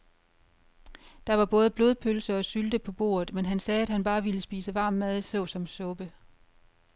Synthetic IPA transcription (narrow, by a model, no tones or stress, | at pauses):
d̥ɑ̈ʋɑ̈b̥ɔ̽ːð̞ˠəb̥lo̝ːð̞ˠpʰølsɐɒ̽syld̥əpʰɒ̽b̥o̝̰ːɐð̩ˠmenɦænsɛːæd̥hænb̥ɑ̈ːʋiləsb̥ḭːsəʋɑ̈ːmːæðˠsɔʊsɒ̽msɔ̽b̥ə